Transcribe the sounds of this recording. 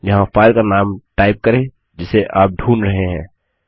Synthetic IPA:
jɐɦãfaːɪlkanaːmʈaːɪp̚kɐɾẽ | d͡ʒɪseʔaːp̚ɖʱuːnɾɐɦeɦɛ̰̃ː

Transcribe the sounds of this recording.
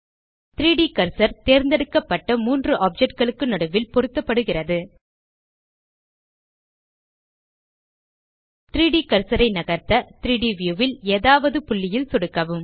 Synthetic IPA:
t̪ɪɾiːɽikɐɾsɐɾt̪eːɾnd̪ɛɽɯkːɐpːɐʈːɐmuːndrɯʔaːp̚d͡ʒɛʈ̚ɡɐɭɯkːɯnɐɽɯʋɪlpɔɾɯt̪ːɐpːɐɽɯɣɪrɐðɯ | t̪ɪɾiːɽikɐɾsɐɾɐɪnɐɣɐɾt̪ɐt̪ɪɾiːɽiʋjuːʋɪleːðaːʋɐðɯpʊɭːɪjɪlsɔɽɯkːɐʋɯm

